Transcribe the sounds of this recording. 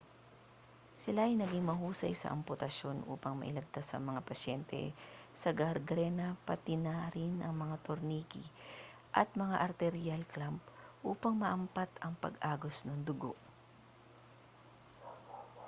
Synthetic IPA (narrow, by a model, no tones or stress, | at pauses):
sɪlaʔɐjnɐɡɪŋmɐɦuːsɐ̰jsɐ̰ʔɐ̰mpʊt̪ɐʃo̞nʔṵːpɐŋmɐ̰ʔɪ̰lɐɡ̚t̪asɐ̰ŋmɐŋapɐʃɛnt̪ʰɛ̰sɐɡɐɾɡɾɛnɐpɐt̪ɪnaɾɪnʔɐŋmɐŋat̪oɾniːkɪ | ʔɐt̪̚mɐŋaʔɐɾt̪ɛɾɪjalklampʔuːpɐŋmɐʔɐmpat̪ɐŋpɐ̰ɡʔaːɡosnɐŋd̪ʊɡo̰ʔ